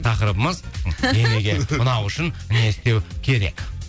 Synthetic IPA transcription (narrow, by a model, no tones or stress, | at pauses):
t̪ʰɑqəɾəbəməzd̪eneɡʲe̞ʊnɑwʏʃɪnne̞st̪e̞wkʲʰe̞ɾe̞̰k